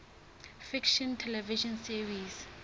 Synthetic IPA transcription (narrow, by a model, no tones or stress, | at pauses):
fikʃɔ̃ntʰɛlɛviʃɔnsiɹis